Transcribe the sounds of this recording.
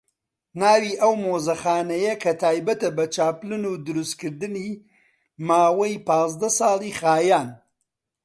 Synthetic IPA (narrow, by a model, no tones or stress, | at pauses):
naːwiʔɐwmoːzɐxaːnɐjɐkʰɐt̪ʰaːjbɐt̪ɐbɐt͡ʃaːplɨnuːd̪ɨɾuskɨɾd̪ɨniː | maːwɐjpɑːzd̪ɐsɑːlˠiːxaːjaːn